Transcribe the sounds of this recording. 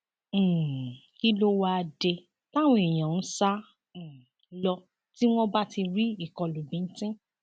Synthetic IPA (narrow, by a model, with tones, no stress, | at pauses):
ki˦lo˦wa˧a˧de˧ | ta˦˨w̃ɔ̃˧e˨j̃ã˨n̩˦sã˦˨ | lɔ˧ | ti˦w̃ɔ̃˦ba˦ti˧ɾi˦i˦˨kɔ˧lu˨bĩ˨˦n̩˦tĩ˦